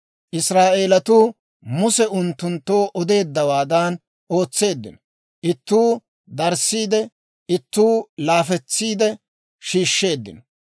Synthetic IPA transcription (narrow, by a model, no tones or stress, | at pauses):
ʔɪsɾaːʔe̞ːlɐt̪uː | mʊsɛʊnt̪ːʊnt̪ːoːʔɔd̪e̞ːd̪ːɐwaːd̪aːn | o̞ːt͡sːe̞ːd̪ːɪ̰nɔ | ʔɪt̪ːuː | d̪ɐɾsiːd̪ɛ | ɪt̪ːuːlaːfɛt͡sːiːd̪ɛ | ʃiːʃːe̞ːd̪ːɪ̰nɔ